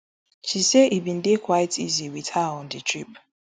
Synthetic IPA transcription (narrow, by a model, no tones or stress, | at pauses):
t͡ʃiseʔibĩn̩dɪkwaɪtʰiziwitaɔ̃ndɪtʰɹip